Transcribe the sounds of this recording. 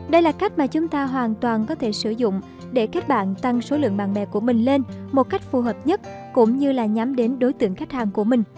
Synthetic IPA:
ɗə˧jlaː˨˩ka˦˥k̟̚maː˨˩t͡ɕʊ˨˦ŋ͡mt̪aː˧ɦwaː˨˩nt̪waː˨˩nkɔ˨˦t̪ʰe˧˩sɨ˧˩zʊ̰˧˨ŋ͡m | ɗe˧˩ke˦˥t̚ɓa̰ː˧˨nt̪a˧˩ŋso˨˦lɨ̰˧˨əŋɓaː˧˨nmɛ̰˧˨ku˧˩əmï˨˩ŋ̟le˧nmo˨˩t̚ka˦˥jk̟̚fu˨˩ɦəː˨˩p̚ɲə˦˥t̚ | kʊ̰˧˥ŋ͡mɲɨ˧laː˨˩ɲa˨˦mɗe˨˦nɗo˨˦jt̪ɨ̰˧˨əŋxa˦˥k̟̚haː˨˩nku˧˩əmï˨˩ŋ̟

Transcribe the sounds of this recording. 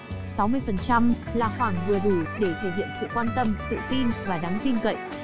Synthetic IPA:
sa˨˦wmɨ˧əjfə˨˩nt͡ɕa˧m | laː˨˩xwaː˧˩ŋvɨ˨˩əɗu˧˩ɗe˧˩t̪ʰə˨˩hḭ˧˨ənsɨ̰˧˨kwaː˧nt̪ə˧mt̪ɨ̰˧˨t̪i˧nvaː˨˩ɗa˨˦ŋt̪i˧ŋkə̰˧˨jʔ

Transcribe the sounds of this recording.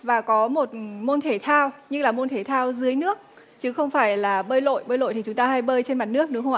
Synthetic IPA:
vaː˨˩kɔ˨˦mo˨˩t̚mo˧nt̪ʰe˧˩t̪ʰaː˧wɲɨ˦˥laː˨˩mo˧nt̪ʰe˧˩t̪ʰaː˧wzɨ˨˦əjnɨ˦˥ək̚ | t͡ɕɨ˨˦xə˧wŋ͡mfaː˧˩jlaː˨˩ɓəː˧jlo̰˧˨jɓəː˧jlo̰˧˨t̪ʰi˨˩t͡ɕʊ˨˦ŋ͡mt̪aː˧ɦa˧jɓəː˧jt͡ɕe˧nma˨˩t̚nɨ˦˥ək̚nɨ˨˦xə˧wʔa˧˨˩

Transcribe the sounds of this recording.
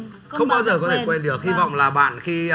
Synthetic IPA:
xə˧wŋ͡mɓaː˧wzəː˨˩kɔ˨˦t̪ʰe˧˩kwɛ˧nɗɨ˨˩ək̚hi˧vɔ̰˧˨wŋ͡mlaː˨˩ɓa̰ː˧˨nxi˧

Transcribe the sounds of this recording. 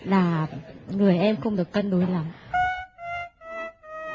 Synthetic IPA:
laː˨˩ŋɨ˨˩əjʔɛ˧mxʊ˧ŋ͡mɗɨ˨˩əkːə˧nɗu˨˦jla˨˩˦ŋ͡m

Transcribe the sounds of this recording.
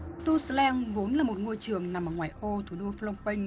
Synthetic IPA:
t̪u˧slɛ˧nvo˨˦nlaː˨˩mo˨˩t̚ŋo˧əjt͡ɕɨ˨˩əŋna˨˩mʔəː˨˩ŋwaː˨˩jʔo˧t̪ʰu˧˩ɗo˧flɔ˧wŋ͡mpï˧jŋ̟

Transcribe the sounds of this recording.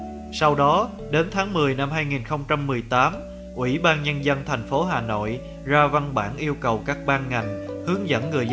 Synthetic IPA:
sa˧wɗɔ˨˦ | ɗe˨˦nt̪ʰaː˨˦ŋmɨ˨˩əjna˧mɦaː˧jŋi˨˩nxə˧wŋ͡mt͡ɕa˧mːɨ˨˩əjt̪aː˨˦m | ʔwḭ˧˩ɓaː˧nɲə˧nzə˧nt̪ʰa˨˩jŋ̟fo˨˦ɦaː˨˩no̰˧˨j | zaː˧va˧nɓa̰ː˧˩nʔi˧əwkə˨˩wkaː˦˥k̚ɓaː˧nŋa˨˩jŋ̟hɨ˨˦əŋzə̰˧˥nŋɨ˨˩əj

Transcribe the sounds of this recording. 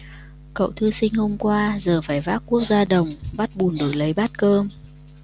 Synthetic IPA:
kə̰˧˨wt̪ʰɨ˧sï˧ŋ̟ho˧mkwaː˧zəː˨˩faː˧˩jvaː˦˥t̚ku˦˥ək̚zaː˧ɗə˨˩wŋ͡mɓa˦˥t̚ɓu˨˩ənɗo̰˧˩˨jlə˨˦jɓa˦˥t̚kəː˧m

